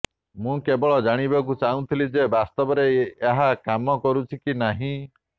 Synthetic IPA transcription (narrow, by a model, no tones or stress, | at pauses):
mũkebɔɭɔd͡ʒaɽ̃ibak̬ut͡ʃaũt̪ʰilid͡ʒebast̪ɔbɔɾeːɦakamɔkɔɾut͡ʃʰikinaɦĩ